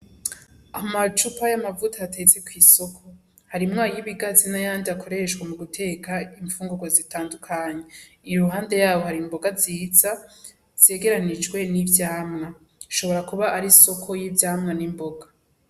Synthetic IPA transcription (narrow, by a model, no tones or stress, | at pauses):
amat͡ʃupajamavutʰaatʰe̞t͡sekwiːsokʰo̞ | haɾimŋaːjiβiɡazinajaːndiakʰo̞ɾe̞ʃɡwemuɡutʰe̞ːkʰaiɱfuːŋɡuɡwozitaːndukʰaɲe̞ | ijuɾuɦaːnde̞jaːwo̞haɾimbo̞ɡaziːza | z̥e̞ːɡe̞ɾanid͡ʒɡwe̞nivjaːmŋa | ʃo̞βo̞ɾakuβaʔaɾiso̞kʰo̞jivjaːmŋanimbo̞ɡa